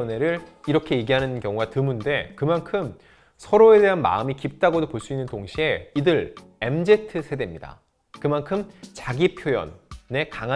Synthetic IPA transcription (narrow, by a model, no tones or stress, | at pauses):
ne̞ɾɯɭiɾʌkʰe̞jeɡiɦanɯnkjʌŋuɡatɯmunde̞kɯmankʰɯm | sʰʌɾoe̞de̞ɦanma̰ɯmikip̚t͈aɡodopoɭs͈uinːɯntoŋɕʰie̞idɯɾ | e̞md͡ʑe̞tʰɯsʰe̞de̞mɲida̰ | kɯmankʰɯmt͡ɕaɡipʰjojʌ̰nːe̞kaŋa